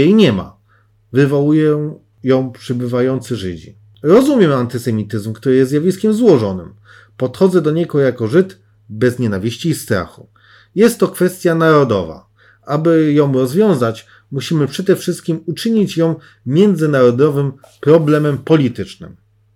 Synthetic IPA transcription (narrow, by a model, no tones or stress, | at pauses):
ejɲɛma̰ | vɘvɔwujɛ̃ | jɔ̃w̃pʂɘbɘvajɔnt̪sɘʐɘ̰d͡ʑḭ | ɾɔzumʲjɛmant̪ɘsɛmʲit̪ɘzmkt̪uɾɘjɛszʲjavʲiskʲɛmzwɔʐɔnɘ̰m | pɔt̪xɔd̪zɛd̪ɔɲɛɡɔjakɔʐɘt̪ | bɛzɲɛnavʲiɕt͡ɕiːst̪ɾa̰xu | jɛst̪ːɔkfɛst̪ʲjanaɾɔd̪ɔ̰va̰ | abɘjɔ̃w̃ɾɔzvʲjɔ̃w̃zat͡ɕ | muɕimɘpʂɛd̪ɛfʂɘst̪̚kʲimut͡ʂɘɲit͡ɕjɔ̃w̃ | mʲjɛnd̪zɘnaɾɔd̪ɔvɘm | pɾɔblɛmɛmpɔlʲit̪ɘt͡ʂnɘ̰m